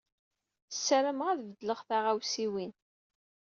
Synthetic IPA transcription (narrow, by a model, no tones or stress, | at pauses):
sːəɾəmʁæðvəd̪ləʁθaʁawsiwin